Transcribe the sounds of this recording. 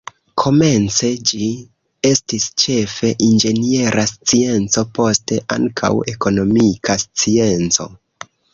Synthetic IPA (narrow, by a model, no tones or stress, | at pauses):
kʰo̞me̞nt͡se̞d͡ʒi | e̞stist͡ʃe̞fe̞ʔind͡ʒe̞nie̞ɾʔast͡sie̞nt͡so̞po̞ste̞ʔa̰ŋkʰa̰we̞ko̞no̞mikast͡sie̞nt͡so̞̰